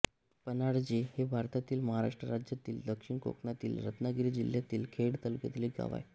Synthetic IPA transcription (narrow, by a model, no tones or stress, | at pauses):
pənaɽd͡ʑehebʱaɾt̪at̪iːlməɦaɾaʂʈɾəɾad͡ʑjat̪iːld̪əkʂiɳko̰knat̪ḭːlɾət̪naɡɾiːd͡ʑiljat̪iːlkʰeɽt̪əlkjet̪liɡa̰ʋa̰j